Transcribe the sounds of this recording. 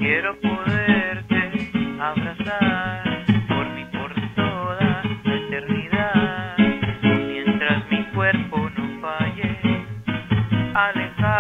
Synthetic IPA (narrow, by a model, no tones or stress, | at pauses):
kje̞ɾo̞po̞ðeɾt̪e̞aβɾasaɾpoɾmipo̞ɾt̪oðaet̪e̞ɾniðað | mje̞nt̪ɾasmikwe̞ɾpo̞nofaʝe | alexa